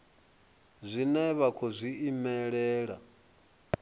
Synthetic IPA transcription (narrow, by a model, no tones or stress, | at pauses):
zʷinɛβakʰɔzʷiimɛɺɛːɺa̰